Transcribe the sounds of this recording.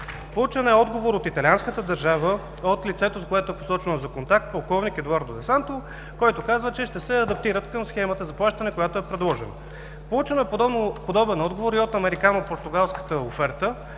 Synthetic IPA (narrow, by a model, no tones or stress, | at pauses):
pout͡ʃɛnɛɔd̪ɡovoɾot̪it̪ɐlianskət̪əd̪əɾʒavə | ot̪lit̪sɛt̪okoɛt̪oɛpo̥sɔt͡ʃənɐzɐkont̪ak̚t̪̚pɐlˠkɔvnikɛd̪uaɾd̪od̪ɛsant̪o | kɔjt̪okazvət͡ʃɛʃt̪ɛsɛɐd̪ɐp̚t̪iɾət̪kəmsxɛmət̪əzɐplˠaʃt̪ənɛkojat̪oɛpɾɛd̪lˠɔʒɛnə | polˠut͡ʃənɛpod̪ɔbɛnɔd̪ɡovoɾiot̪ɐmɛɾikanopoɾt̪ʊɡalˠskə̥t̪əofɛɾt̪ə